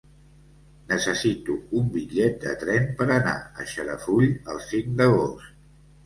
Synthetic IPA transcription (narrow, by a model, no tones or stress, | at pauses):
nəsəsit̪uumbiʎɛt̪̚d̪ə̰t̪ɾɛmpəɾəna̰ə̰ʃəɾə̰fuʎəlˠsiŋd̪əɣost̪